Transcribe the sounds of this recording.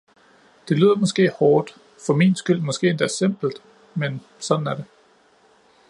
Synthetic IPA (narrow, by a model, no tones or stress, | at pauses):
d̥e̝lyð̰ˠɐmɒ̽sɡ̥e̝̰ːhɒːd̥ | fɒ̽miːnsɡ̥yl̰mɒ̽sɡ̥e̝̰ːe̝nd̥æɐsem̰b̥l̩d̥ | men | sɒ̽d̥n̩æɐɾe̝